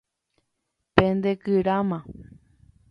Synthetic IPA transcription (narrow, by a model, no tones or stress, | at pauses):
pẽnd̪ekɨɾamã